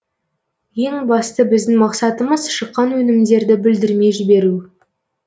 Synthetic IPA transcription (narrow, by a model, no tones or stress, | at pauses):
je̞ŋbɑst̪əbɪzd̪ɪŋmɑqsɑt̪əməzʃəqːɑnwɵnɪmd̪e̞ɾd̪ɪbɪld̪ɪɾme̞ʒɪbe̞ɾu